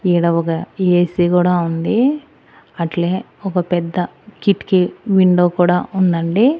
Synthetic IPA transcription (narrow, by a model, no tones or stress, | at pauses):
iːɽɐɔkɐiːesiːkuːɽaːund̪i | ɐʈle̞ː | ɔkɐpɛd̪ːɐ | kiʈːkiʋiɳɖoːkuːɽaːʔund̪ɐɳɖi